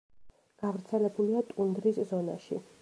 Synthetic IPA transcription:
ɡ̥avɾt̪sʰɛlɛbuliat̪ʼund̪ɾiszɔna̰ʃḭ

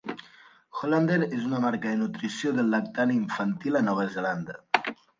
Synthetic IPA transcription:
xoland̪eɾezunamaɾkəðenut̪ɾisioðəlːak̚t̪aniɱfant̪ilanɔβ̞əzeland̪ə

